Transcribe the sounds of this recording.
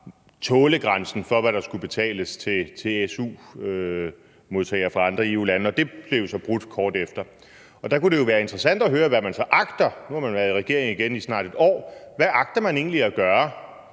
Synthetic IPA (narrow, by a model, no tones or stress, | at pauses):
t͡sʰɔ̽ːləɡ̥ʁansn̩fɒ̽ʋæɾ̥ɑ̈sɡ̥ub̥e̝t͡sʰɛ̰ːləst͡sʰe̝t͡sʰe̝esṵːø | mo̝ðˠt͡sʰɛ̰ːɪɐfʁɑ̈ɑ̈nd̥ʁɐe̝ṵːlænəɒ̽d̥e̝b̥le̝jo̝sɒ̽b̥ʁud̥kʰɒːd̥efd̥ɐ | ɒ̽d̥ɑ̈kuɾ̥e̝jo̝ʋæːɐe̝nd̥ʁɛsæn̰d̥ɒɦøːɐʋæmænsɒ̽ʔɑ̈ɡ̥d̥ɐnuhɑ̈mænʋæɐðˠiʁɛɡ̥e̝ɐ̰eŋiɡ̥enisnɑ̰̈ːɾ̥e̝d̥ɒ̰ːʋæʔɑ̈ɡ̥̚d̥ɐmæne̝̰ːn̩liæɡ̥ɶːɐ